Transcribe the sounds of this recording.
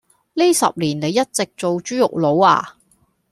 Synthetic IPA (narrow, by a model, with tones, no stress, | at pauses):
li˥sɐ̰˨p̚liː˨˩nne˨˧jːɐ˥t̚t͡sɪ˨k̚t͡so˨wt͡ʃyː˥jʊ̰˨k̚lo˨˧wa̰ː˧